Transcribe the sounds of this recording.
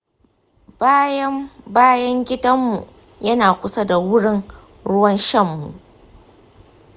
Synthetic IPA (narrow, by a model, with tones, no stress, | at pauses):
ba˦jɐ˦baː˦jɐ˦ŋɡʲɪ˦dɐ˦mːu˨ʔ | jɐ˦naː˨kʷʊ˦sɐ˦da˨wʊ˦ɽɪ˦ŋ | ɽʊ˦wɐ˦nʃɐ˦mːṵ˨ʔ